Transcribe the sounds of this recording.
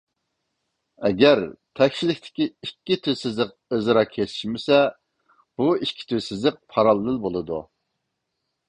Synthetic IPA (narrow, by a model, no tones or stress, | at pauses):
ɛɡʲæɾt̪ʰɛkʲʃilɪkʲt̪ʰɪ̥kʲiikʲːit̪ʰysɪzlɪq̚ezɨɾɑkʲʰesɪ̥ʃmɪsɛ | b̥uikʲʰːi̥t̪ʰyzsɪzlɪq̚pʰɑɾɑlˠɨnɨlbolˠɨd̪ṵ